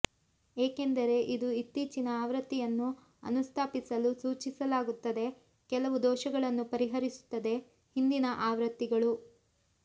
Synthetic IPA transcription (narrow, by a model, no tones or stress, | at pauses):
eːkend̪ɐɾe̞ʔid̪uit̪ːiːt͡ʃinɐaːʋɾɐt̪ːijɐnːu | ɐ̰nust̪ʰaːpisɐlusuːt͡ʃisɐlaːɡut̪ːɐd̪e̞ | kɛlɐʋud̪ɔːʃɐɡɐɭɐnːupɐɾiɦɐɾisu̥t̪ːɐd̪e̞ | hind̪inɐʔaːʋɾɐt̪ːiɡɐɭu